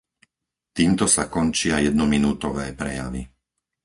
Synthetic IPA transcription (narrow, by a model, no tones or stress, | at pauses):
t̪iːmt̪ɔsakɔnt͡ʃɪajɛd̪̚nɔminuːt̪ɔʋɛːpɾɛjaʋḭ